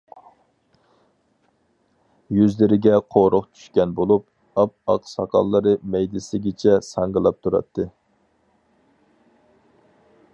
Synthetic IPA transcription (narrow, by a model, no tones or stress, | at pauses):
jyzlɪɾɪɡʲɛqʰoɾʊqt͡ʃʰy̥ʃkʲɛnbolˠup̚ | ɑp̚ɑqsɑqʰɑ̰lˠːɨɾɨmɛjd̪ɪsɪɡʲɪt͡ʃʰɛsɑŋɡəlˠɑp̚t̪ʰuɾɑ̰t̪ʰːɨ